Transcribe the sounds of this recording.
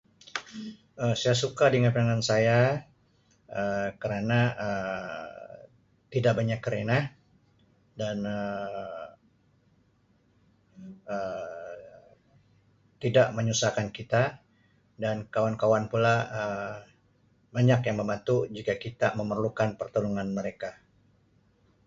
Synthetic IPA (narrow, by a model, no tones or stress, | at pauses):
əsajasukadəŋapaŋansaja | əkəɾanaə | t̪idaʔ̚baɲakːəɾena | danə | ə | t̪idaʔməɲusahkankit̪a | dankawankawanpulaə | baɲakjaŋməmat̪ud͡ʒikakit̪aməmərlukanpərt̪unuŋanməɾeka